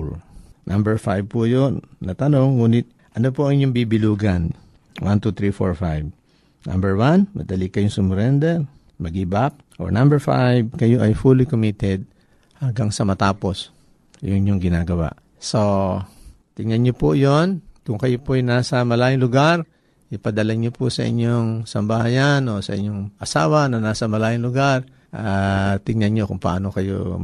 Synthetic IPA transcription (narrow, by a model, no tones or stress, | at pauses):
nambɛɹfajb̚pujonnɐt̪ɐno̞ŋːuːnɪt̪̚ | ʔɐnopoʔɐŋɪɲoŋbibɪluːɡan | want̪ut̪ɾifo̰ɹfajb̚ | na̰mbɛɹwanmɐ̰d̪ɐlikɐjʊŋsʊmɾɛnd̪ɛl | mɐɡibap̚ʔo̰ɹnambɛɹfa̰jb̚kɐjoʔɐjfulɪkomit̪ɛd̪̚ | haŋɡaŋsɐmɐt̪aːpo̞s | jʊ̰ŋɲoŋɡɪnaːɡɐwa̰ʔ | so | t̪ɪŋɐnɲopojonkʊŋkɐjopoʔɐjnaːsɐmɐlaːjɪŋlʊɡaɾ | ʔɪpɐd̪ɐlaɲopʊsɐ̰ʔɪ̰ɲoŋsɐmbahajanosɐ̰ʔɪ̰ɲːoŋʔɐsa̰ːwɐnɐnaːsɐmɐlaːjɪŋlʊɡaɾ | ʔat̪ɪŋɲɐnɲokʊŋpɐʔa̰ːno̞kɐjo̰